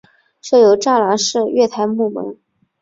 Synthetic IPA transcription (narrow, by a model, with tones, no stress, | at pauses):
ʈ͡ʂʰɤ˥˩jo˧˥ʊʈ͡ʂa˥˩la˧˥ʂɻ̩˥˧ɥɛ˥˩t̪ʰa˧˥nmu˥˩mə̰˧˥n